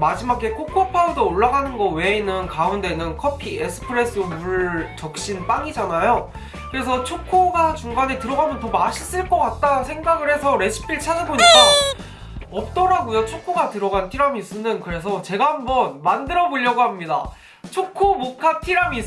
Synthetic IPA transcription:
mad͡ʑimakʰe̞kʰokʰopʰaudooɭːaɡanɯnɡʌwe̞inɯnkaunde̞nɯnkʰʌpʰiesʰɯ̥pʰɯɾe̞s͈ɯmuɭt͡ɕʌk̚ɕ͈inp͈aŋid͡ʑanajo | kɯɾe̞s̬ʰʌt͡ɕʰokʰoɡat͡ɕuŋɡanetɯɾʌɡamjʌntomaɕʰis͈ɯɭk͈ʌk͈at̚t͈ansʰe̞ŋɡaɡɯɾe̞sʰʌɾe̞ɕʰi̥pʰiɭt͡ɕʰad͡ʑɯboɲik͈a | ʌp̚t͈ʌɾaɡojot͡ɕʰokʰoɡatɯɾʌɡantʰiɾamiːs͈ɯnɯnkɯɾe̞s̬ʰʌt͡ɕe̞ɡahambʌnmandɯɾʌboʎːʌɡoɦamɲida̰ | t͡ɕʰokʰomokʰatʰiɾamiː

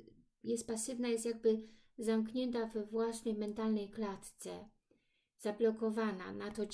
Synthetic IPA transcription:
jɛst̪̚pasɘvnajɛst̪jaɡ̚bɘ | zamkɲɛnt̪avɛvwasnɛjmɛnt̪alnɛjklat̪t̪sɛ̰ | z̥ablɔkɔvana̰nat̪ɔ

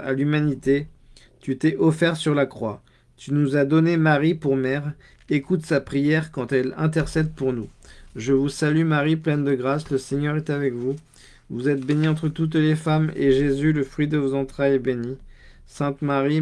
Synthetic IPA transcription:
a̰lymanit̪e | t̪yt̪ɛʔɔfɛʁsyʁlakχwa | t̪ynuzad̪ɔnemaʁipuʁmɛʁ | ekut̪sapχijɛʁkɑ̃t̪ɛlɛ̰̃t̪ɛʁsɛd̪̚puʁnuʒəvusalymaʁiplɛnd̪əɡʁasləseɲœʁɛt̪avɛkvu | vuzɛt̪̚beniɑ̃t̪χət̪ut̪̬lefameʒezyləfχɥid̪əvozɑ̃t̪χajɛbeni | sɛ̃t̪maʁi

